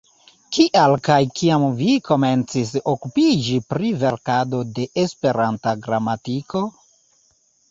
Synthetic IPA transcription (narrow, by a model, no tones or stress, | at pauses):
kiʔalkajkiamvikʰo̞me̞nt͡sisokupid͡ʒipɾive̞ɾkado̞de̞ʔespe̞ɾantaɡɾamatiko̞